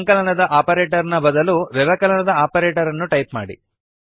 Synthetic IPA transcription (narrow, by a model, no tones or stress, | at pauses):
ŋkɐlɐnɐd̪ɐʔaːpɐɾeːʈɐɾnɐbɐd̪ɐluɾɛʋɐkɐlɐnɐd̪ɐaːpɐɾeːʈɐɾɐnːuʈɐjpma̰ːɽḭ